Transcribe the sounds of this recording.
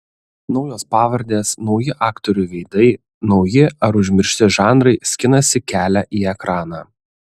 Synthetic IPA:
nɒʊjoːspɑːʋɐɾʲd̪ʲeːsnɒʊjɪʔɑːkt̪ɔɾʲʊɪʋʲɛɪd̪ɐɪ | nɒʊjɪɐɾʊʒʲmʲɪɾʲʃʲt̪ʲɪʒɑːnɾɐɪsʲkʲɪnɐsʲɪkʲæːlʲæʔiːɛkɾɑːnɑː

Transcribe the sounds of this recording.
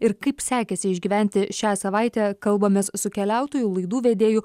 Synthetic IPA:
ɪɾkɐɪpsʲæːkʲɛsʲɪɪʒʲɡʲiːʋʲæˑnʲt̪ʲɪʃʲæːsɐʋɐɪt̪ʲɛːkɐlˠbɐmʲessʊkʲɛlʲæˑʊt̪oːjulˠɐɪd̪uːʋʲeːd̪ʲeːjʊ

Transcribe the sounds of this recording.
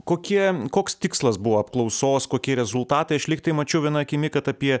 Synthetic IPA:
koːkʲiɛkoːkst̪ʲɪkslˠɐsbʊʋoɐpklˠɒʊsoːskoːkʲiɛɾʲɛzʊlˠt̪ɑːt̪ɐɪɐʃlʲɪkt̪ɐɪmɐt͡ʃʲɛʊʋʲiɛnɐːɐkʲɪmʲɪkɐt̪ɐpʲiɛ

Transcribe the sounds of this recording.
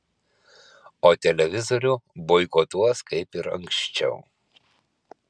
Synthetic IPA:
oːt̪ʲɛlʲɛʋʲɪzoɾʲuːboɪkoːt̪uɔskɐɪpɪɾɐ̰ŋkʃʲt͡ʃʲɛʊ

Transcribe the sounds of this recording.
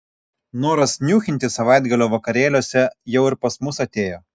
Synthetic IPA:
noːɾɐsnʲuːxʲɪnt̪ʲɪsɐʋɑˑɪd̪ɡɐlʲoːʋɐkɐɾʲeːlʲoːsʲɛjɛʊɪɾpɐsmʊsɐt̪ʲeːjoː

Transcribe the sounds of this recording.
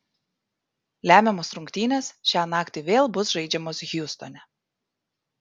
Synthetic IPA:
lʲæːmʲɛmoːsɾʊŋʲkt̪ʲiːnʲeːsʃʲɑːnɑːkt̪ʲɪʋʲeːlˠbʊsʒɐɪd͡ʒʲɛmoːsɣʲjʊst̪ɔnʲɛ

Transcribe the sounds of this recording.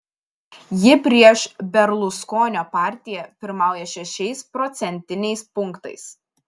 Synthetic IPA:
jɪpʲɾʲiɛʃbʲɛɾlˠʊskoːnʲoːpɑːˑɾʲt̪ʲɪjɛpʲɪɾmɑˑʊjɛʃʲɛʃʲɛɪspɾɔt̪sʲɛnʲt̪ʲɪnʲɛɪspʊŋˑkt̪ɐ̰ɪs

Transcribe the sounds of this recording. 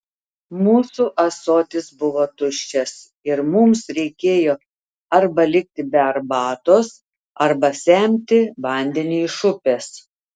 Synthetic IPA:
muːsuːʔɐsoːt̪ʲɪsbʊʋoːt̪ʊʃʲt͡ʃʲɛs | ɪɾmʊmsɾʲɛɪkʲeːjoː | ɐɾbɐlʲɪkʲt̪ʲɪbʲɛɐɾbɑːt̪oːs | ɐɾbɐsʲɛˑmʲt̪ʲɪʋɐˑnʲd̪ʲɛnʲiʃʊpʲeːs

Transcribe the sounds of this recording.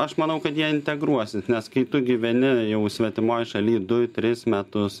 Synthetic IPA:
ɐʃmɐnɐʊkɐt̪jiɛɪnʲt̪ʲɛɡɾuɔsʲɪsnʲɛskɐɪt̪ʊɡʲiʋʲɛnʲɪjɛʊsʲʋʲɛt̪ʲɪmoːjɪʃɐlʲiːd̪ʊt̪ʲɾʲɪsmʲæt̪ʊs

